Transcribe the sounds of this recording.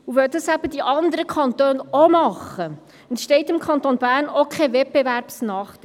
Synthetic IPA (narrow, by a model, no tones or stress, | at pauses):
uvœdɑsæb̥əd̥iʔɑnd̪əɾəkʰɑnt̪øːnomɑχə | ɛntʃtɛɪtɪmkʰɑnt̪onbæːɾnokʰɛvɛb̥evæɾpsnɑːχd̥